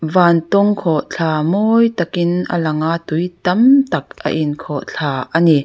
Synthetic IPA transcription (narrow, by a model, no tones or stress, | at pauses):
vaːnt̪ɔŋkʰɔʔt͡ɬʰaːmɔːjt̪ɐkɪnʔə̰lɐŋaʔt̪ujt̪ɐmt̪ɐk̚ʔə̰ʔinkʰɔʔt͡ɬʰaːʔani